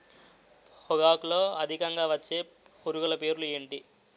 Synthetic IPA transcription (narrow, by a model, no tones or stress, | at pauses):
hɔɡaːkulo̞ːɐd̪ʱikɐŋɡaːʋɐt͡ʃːe̞ː | puɾuɡɐlɐpe̞ːɾulueːɳʈi